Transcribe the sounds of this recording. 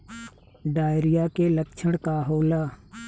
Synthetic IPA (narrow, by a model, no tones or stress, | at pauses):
ɖaːjɾɪjakeləkt͡ʃʰəɽ̃kaɦoːlaː